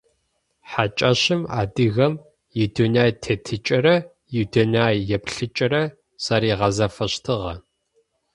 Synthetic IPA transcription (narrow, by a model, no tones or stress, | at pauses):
ħat͡ʃʼɐɕɪma̰ːdɨɣɐm | jɪdunaːjtʰetʰɨt͡ʃʼɐɾɐ | jɪdonaːjjɛpɬɨt͡ʃʼɐɾɐ | saɾiːʁɐzɐfɐɕtʰɨʁɐ̰